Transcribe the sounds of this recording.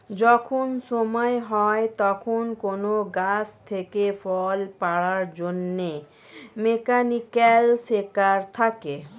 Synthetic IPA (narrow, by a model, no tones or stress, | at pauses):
d͡ʑɔkʰonʃomɔeɦɔet̪ɔkʰonkonoɡast̪ʰekefɔlpaɽaɾd͡ʑonːe | mekanikalsekaɾt̪ʰake